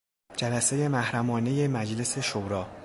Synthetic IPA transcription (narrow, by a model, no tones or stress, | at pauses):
d͡ʒælæseje̞mæhɾæmɒːne̞je̞mæd͡ʒle̞se̞ʃoɾɒː